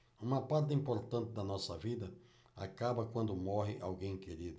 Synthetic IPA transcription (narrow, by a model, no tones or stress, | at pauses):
ũmɐpaɾt̪ɪĩpoɾt̪ɐ̃nt̪ɪd̪ɐnɔsɐvid̪ɐ | a̰kabɐkwɐ̃nd̪ʊmɔɦɪʔawɡẽj̃keɾid̪ʊ